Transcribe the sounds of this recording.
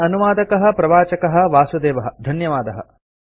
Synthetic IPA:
ɐnuʋaːd̪ɐkɐɦɐ̆pɾɐʋaːt͡ʃɐkɐɦɐ̆ʋaːsud̪eːʋɐɦɐd̪ʱɐnjɐʋaːd̪ɐɦɐ̰

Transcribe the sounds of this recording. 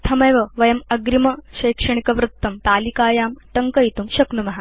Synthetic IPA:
t̪ʰɐmɐjʋɐʋɐjɐmɐɡɾimɐɕɐjkʂɐɳ̃ikɐʋɾut̪ːɐmt̪aːlikaːjaːmʈɐŋkɐjit̪umɕɐknumɐɦa

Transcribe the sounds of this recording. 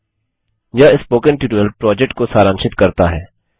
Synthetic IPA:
jaːɪspoːkə̃nʈɪːʈːəlpɾɔːd͡ʒɛk̚ʈkosaːɾãːnʃɪt̪kɐɾt̪aɦɛː

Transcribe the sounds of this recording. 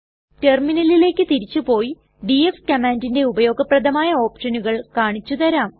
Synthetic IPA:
te̞rminɐlile̞ːkʲːɨt̪iɾit͡ɕːupo̞ːji | ɖiefkɐmaːndinde̞ubɐjo̞ːɡɐprɐd̪ɐmaːjɐo̞ːpʂɐnuɣɐɭkaːɳit͡ɕːut̪ɐɾaːm

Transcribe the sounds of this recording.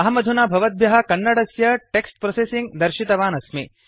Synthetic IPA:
ɐɦɐmɐd̪ʱunabʱɐʋɐd̪̚bʱjɐɦɐkɐnːɐɽɐsjɐʈeksʈ̚pɾosesiŋɡd̪ɐɾʃit̪ɐʋaːnɐsmḛ

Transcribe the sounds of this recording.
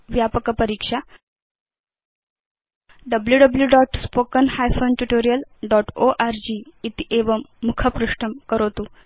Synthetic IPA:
ʋjapəkəpəɾikʂa | ɖəbljuɖəbljuɖɔʈspokənhajfonʈuʈoɾijəlɖɔʈoʔaɾd͡ʑiːt̪iʔeʋəmukʰəpɾuʂʈʰəmkəɾot̪uː

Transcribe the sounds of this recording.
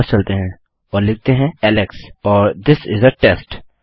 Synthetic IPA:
st͡ʃɐlt̪eɦɛ̃ | ɔːɾlɪk̚t̪eɦɛ̃ɛlɪksɔːɾd̪ɪsɪzəʈɛsʈ

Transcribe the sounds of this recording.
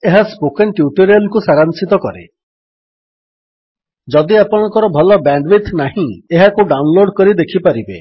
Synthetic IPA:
eɦaspokenʈjuʈɔɾialkusaɾansit̪ɔkɔɾḛ | d͡ʒɔd̪iapɔɽ̃ɔŋkɔɾɔbʱɔlɔbaɳɖbit̪ʰnaɦĩeɦakuɖawnloɖkɔɾid̪ekʰipaɾibḛ

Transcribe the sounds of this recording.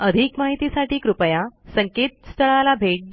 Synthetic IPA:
əd̪ʱikmaɦit̪isaʈiːkɾupəjasəŋket̪̚st̪ʰəɭalabʱeʈ̚d̪

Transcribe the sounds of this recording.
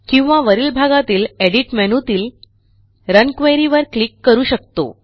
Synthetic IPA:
kĩw̃ʋaʋəɾiːlbʱaɡat̪iːleɽiʈmɛnut̪iːl | ɾənkʋejɾiʋəɾklikːəɾuːɕək̚t̪o̰

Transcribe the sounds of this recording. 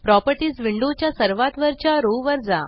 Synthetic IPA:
pɾɔpəɾʈiːd͡zʋiɳɖot͡ɕjasəɾʋat̪ʋəɾt͡ɕjaɾoʋəɾd͡za̰

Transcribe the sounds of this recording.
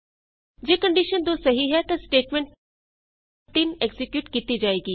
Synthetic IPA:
d͡ʒeːkəɳɖiʃənd̪oːsɐɦiɦɛt̪ɐ̃sʈeːʈmɛ̃ɳʈ̚ | t̪ɪnɛɡzɪkjuːʈkiːt̪id͡ʒaːeːɡiː

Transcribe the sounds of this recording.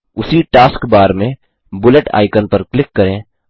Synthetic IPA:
ʊsiʈaːskbaːɾmẽ | bʊləʈa̰ːɪkənpəɾklɪkːɐɾẽː

